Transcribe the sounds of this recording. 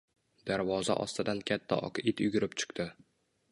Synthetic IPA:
d̪̥aɾvɒza̰ʔɒ̰st̪ɪd̪ankʲʰat̪ʰːa̰ʔɒ̰qɪt̪jʊɡʲɪɾɪpt͡ʃʰʊ̥qt̪ɪ

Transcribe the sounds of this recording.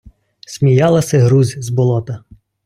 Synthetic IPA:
sʲmʲijɑlˠɐsʲɛɦɾuzʲzbɔlˠɔt̪ɐ

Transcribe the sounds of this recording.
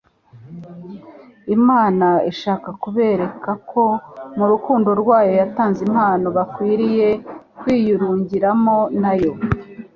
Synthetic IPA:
imaːnaiʃaːkakuβe̞ːɾe̞kakʰo̞muɾukuːndo̞ɾɡwaːjo̞jataːnzim̥haːno̞βakwiːɾije̞kwiːjuɾuːɲɟiɾamo̞najo̞

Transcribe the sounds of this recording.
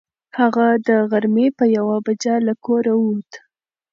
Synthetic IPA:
haɣad̪əɣaɾmepəjawabad͡ʒalakoɾawut̪

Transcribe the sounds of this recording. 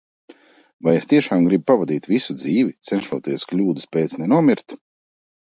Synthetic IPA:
vajest̪iɛʃaːmɡɾibpavad̪iːt̪visud̪ziːvit̪sɛnʃuɔt̪iɛsklʲuːd̪ɨspʲeːt̪snɛnuɔmʲiɾt̪

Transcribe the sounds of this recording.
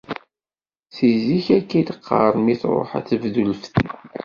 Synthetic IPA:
θiziçækːid̪əqʰːə̰ɾˤmiθɾˤo̰ħæ̰θəvðulfθi

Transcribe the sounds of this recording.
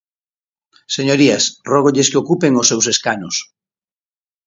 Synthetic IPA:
seɲoɾiasrɔɣ̞oʎeskeokupeŋosːewseskanʊs

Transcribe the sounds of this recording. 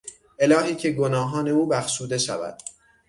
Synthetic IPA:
ʔe̞lɒːɦiːcʰe̞ɡo̞nɒːɦɒːne̞uːbæxʃuːd̪e̞ʃævæ̰d̪̥

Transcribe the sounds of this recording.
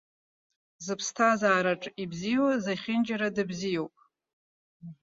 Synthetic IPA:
zɨpʰstʰazaːɾaʈ͡ʂʼibzijozaχʲɪnd͡ʒaɾadɨbzijowpʼ

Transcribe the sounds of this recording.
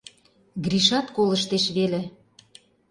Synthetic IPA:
ɡɾiʃɑt̪kolə̆ʃt̪eʃβelĕ

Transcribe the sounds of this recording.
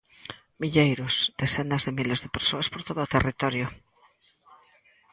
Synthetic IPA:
miʎejɾʊsd̪̥esenazðemilezðepeɾsoaspoɾt̪oðʊːt̪erit̪ɔɾjʊ

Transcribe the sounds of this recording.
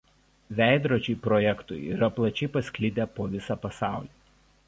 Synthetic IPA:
ʋʲæˑɪd̪ɾoːd͡ʒʲɛɪpɾɔjɛkt̪ʊ̰ḭɾɐplˠɐt͡ʃʲɛɪpɐsʲkʲlʲɪd̪ʲepoːʋʲɪsɑpɐsɑˑʊlʲiː

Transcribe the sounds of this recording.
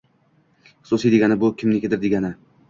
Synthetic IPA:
χɨ̥susijd̪eɡʲanɪbʊkʲʰɪmnɪkʲɪd̪ɪɾd̪eɡʲanɪ

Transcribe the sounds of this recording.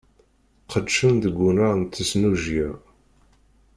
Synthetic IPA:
qədʃənðəɡʷːunaʁnt̪ːəsnuʒjæ

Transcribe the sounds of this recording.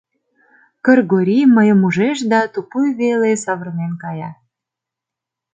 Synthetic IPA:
kərɣoɾʲiməjəmuʒeʃd̪ɑt̪upujβelesɑβərmenkɑjɑ

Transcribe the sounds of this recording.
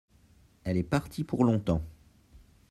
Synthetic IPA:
ɛlɛpaʁt̪ipuʁlɔ̃t̪ɑ̃

